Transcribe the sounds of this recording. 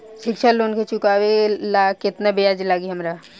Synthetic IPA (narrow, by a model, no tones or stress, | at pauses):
ʃɪkʃʰaloːnket͡ʃʊkaːwelakɪt̪nabejaːd͡ʒlaːɡiɦɐmɾa